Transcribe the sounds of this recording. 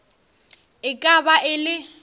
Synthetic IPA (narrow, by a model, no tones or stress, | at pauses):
ɪkʼabaʔɪlɪ